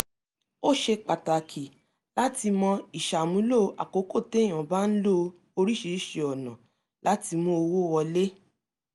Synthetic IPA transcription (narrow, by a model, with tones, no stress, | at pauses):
o˦˨ʃe˧k͡pa˨ta˨kʰi˨ | la˦ti˧mɔ̃˧i˨ʃa˨mũ˨˦lo˦˨ʔa̰˨ko˨˦ko˦˨tẽ˨˦˨ɔ̃˨ba˦n̩˦lo˦ | o˧ɾi˦ʃe˧˦ʃe˧ɔ˨nã˨ | la˦ti˧mo˧o˧wo˦wɔ˧le˦